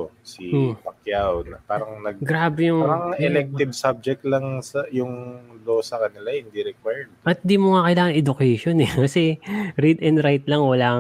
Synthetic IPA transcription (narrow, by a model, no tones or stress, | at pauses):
osipɐkjawnɐpaːɾɐŋnɐɡ̚ɡɾaːbɛjʊŋaɾɐŋɛlɛk̚t̪ɪb̚sab̚d͡ʒɛk̚t̪lɐŋsɐjʊŋloːsɐkɐnɪlahɪnd̪iɾɛkwɛɹd̪ʔɐt̪̚ɪnd̪imoŋakɐjlaːŋɐnʔɛd̪ʊkɛjʃonɛkɐsɛɾid̪ɛnd̪ɾajt̪lɐŋwɐlaː